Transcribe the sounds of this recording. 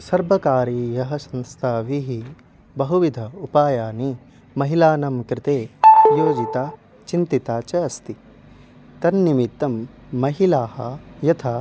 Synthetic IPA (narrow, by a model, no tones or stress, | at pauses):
sɐɾbʱɐkaːɾijɐɦɐsɐ̃nst̪ʰaːʋiɦi | bɐɦuʋid̪ʱɐupaːjaːni | mɐɦilaːnɐmkɾɪt̪eːjoːd͡ʒit̪aː | t͡ʃint̪it̪aːt͡ʃɐjɐst̪i | t̪ɐnːimit̪ːɐmː | ɐɦilaːhɐ̰jɐt̪ʰa